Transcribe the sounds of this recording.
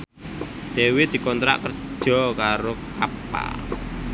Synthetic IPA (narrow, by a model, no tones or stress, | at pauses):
d̪̥ewed̪̥i̤kɔnt̪ɾa̰ʔkər̥ʒ̥ɔ̤kaɾoka̰pa̰l